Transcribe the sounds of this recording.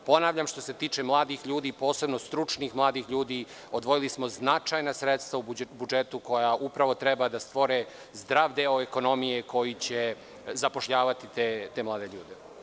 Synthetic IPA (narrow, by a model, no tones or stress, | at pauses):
po̞naːʋʎamʃt̪o̞se̞t̪iːt͡ʃemlˠaːd̪ixʎuːd̪iːpo̞ːse̞bno̞st̪ɾut͡ʂniːxmlˠaːd̪ixʎuːd̪iː | o̞d̪ʋo̞jilismo̞znat͡ʃajnasɾet̪st̪ʋaubud͡ʒet̪uko̞jaʔupɾaʋo̞t̪ɾebad̪ast̪ʋo̞ɾe | zd̪ɾaːʋd̪eːoeko̞no̞mije̞ko̞jit͡ɕe | zapo̞ʃʎaːʋat̪it̪et̪emlˠaːd̪e̞ʎṵːd̪e